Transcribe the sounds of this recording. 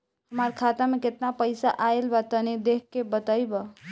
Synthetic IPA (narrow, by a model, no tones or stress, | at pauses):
həmaɾkʰat̪ameket̪napəjsaʔaelbat̪əned̪ekʰːebət̪əjbə